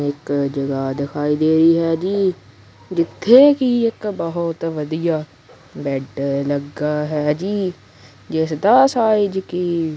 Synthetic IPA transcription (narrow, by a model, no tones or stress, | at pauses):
ɪkd͡ʒəɡad̪ɪkʰaːid̪eːɾiɦɛːd͡ʒiː | d͡ʒɪt̪ʰːekiɪkbɔɦʊt̪ʋəd̪ijaː | bɛːʈləɡaːɦɛːd͡ʒiː | d͡ʒɛːsed̪ɐsaːɪd͡ʒkiː